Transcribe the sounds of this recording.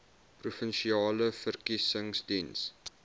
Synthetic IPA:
prufənʃiɑːləfərkisəŋsdins

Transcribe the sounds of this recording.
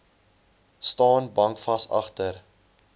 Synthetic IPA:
stɑːnbɐŋkfɐsɐ̰χtər

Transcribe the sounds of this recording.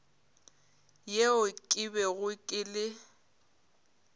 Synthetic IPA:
jeʊkʼɪbɛɣʊkʼɪlɪ

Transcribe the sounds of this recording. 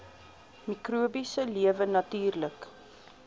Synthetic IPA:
mikruəbisəliəvənɐtyːrlək

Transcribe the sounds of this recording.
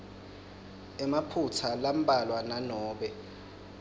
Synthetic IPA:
ɛmapʰutʰalam̩ɓʼalwananɔːɓɛ

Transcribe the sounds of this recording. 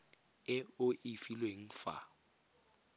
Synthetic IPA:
ɪʊʔɪfilweŋ̩fa̰

